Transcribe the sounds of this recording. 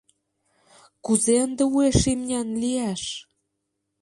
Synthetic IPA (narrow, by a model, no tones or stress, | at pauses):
kuzeənd̪ĕueʃimnʲænliæʃ